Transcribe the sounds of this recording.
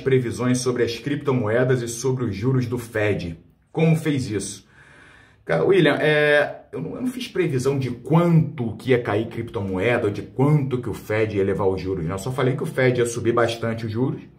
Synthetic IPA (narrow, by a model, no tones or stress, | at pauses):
ʃpɾevizõj̃ssːobɾɪɐskɾip̚t̪omoɛd̪ɐzɪsobɾɪʊzʒuɾʊzd̪ʊfɛd͡ʒɪ | kõmʊfejzisʊ̥ | kaʊiljɐ̃ʔɛewnɐ̃nɐ̃fiʃpɾevizɐ̃w̃d͡ʒɪkwɐ̃nt̪ʊkɪiɐkaikɾipt̪omoɛd̪ɐod͡ʒɪkwɐ̃nt̪ʊkɪʊfɛd͡ʒɪiɐlevaɾʊʒuɾʊʃnɛ̃esɔfalejkɪʊfɛd͡ʒɪiɐsubibaʃt̪ɐ̃nt͡ʃɪʊʒuɾʊs